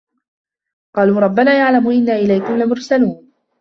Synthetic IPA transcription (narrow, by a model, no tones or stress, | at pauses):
qɑːluːɾˤɑbːanaːjaʕlamʊʔɪnːaːʔɪlajkʊmlamʊɾˤsaluːn